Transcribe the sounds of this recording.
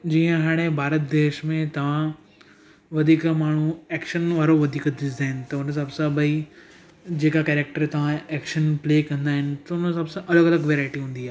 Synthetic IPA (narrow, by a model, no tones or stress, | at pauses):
d͡ʑiːə̃ɦaːɽ̃ebʱaːɾət̪d̪eːʃmẽt̪ɐʋ̤ã | ʋɐd̪ʱiːkmaːɳ̤ueːkʃənʋaːɾoʋɐd̪ʱiːkd̪ɪaːɪnɪt̪ɐʊns̬ɐbsãbɐi | d͡ʑeːkakɛːɾek̚ʈəɾt̪ɐʋ̤ãeːkʃənpleːkɐ̃nd̪aːɦɪnɪ̆t̪ɐʊnəsɐbsãʔɐləɡɐləɡʋeːɾaːɪʈiɦũːn̆d̪iaːɦ